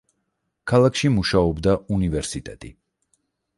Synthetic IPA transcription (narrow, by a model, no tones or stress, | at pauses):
kʰalˠakʰʃimuʃaɔbd̪aunivɛɾsit̪ʼɛt̪ʼḭ